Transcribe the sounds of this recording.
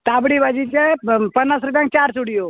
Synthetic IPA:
t̪abɽibad͡ʒit͡ʃepənːasɾup̬jãŋk̚t͡ʃaɾsuɽijo

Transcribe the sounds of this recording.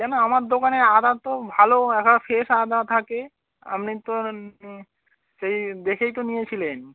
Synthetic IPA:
kɛnoamaɾd̪okaneɾad̪at̪obʱaloɛkʰafeʃad̪aɾt̪ʰake | a̰mnit̪o | ʃejd̪ekʰejt̪onijet͡ɕʰilen

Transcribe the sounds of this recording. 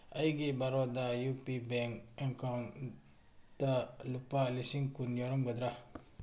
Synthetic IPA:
ajɡibaɾɔd̪ajupibɛŋkɛŋkɔŋ | talupːalisiŋkunjɔɾɔŋɡəd̪ɾa

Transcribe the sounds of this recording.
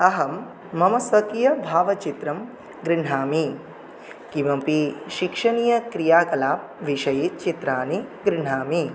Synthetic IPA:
ɐɦɐmː | ɐmɐsʋɐkijɐbʱaːʋɐt͡ʃit̪ɾɐm | ɡɾiɳ̤aːmi | kimɐmpiʃikʂɐnijɐkɾijaːkɐlaːp̚ | ʋiʃɐjit͡ʃit̪ɾaːniɡɾɪɳ̤aːmi

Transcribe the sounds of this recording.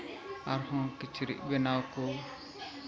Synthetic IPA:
aɾhɔ̃kit͡ʃʰɾḭʔ̚bɛnawkɔ

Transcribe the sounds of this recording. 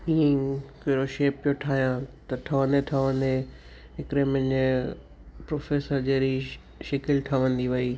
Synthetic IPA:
ĩːkeɾoʃeːpːijoʈʰaːɦijãt̪ɐʈʰɐʋə̃nd̪eʈʰɐʋə̃nd̪e | ɦɪkɾemɐ̃ɲ | pɾoːfeːsəɾd͡ʑeːɾi | ʃɪkɪlʈʰəʋə̃nd̪iʋɐiː

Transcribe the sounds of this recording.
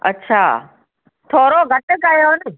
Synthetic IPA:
ɐ̰tːɕʰa̰ː | t̪ʰoːɾoɡʱɐʈəkajon

